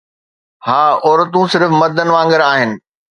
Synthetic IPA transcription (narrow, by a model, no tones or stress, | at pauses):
haːɔːɾət̪ũsɪɾfmɐd̪ʱənɪ̆ʋãːŋɡəɾaːɦɪnɪ̆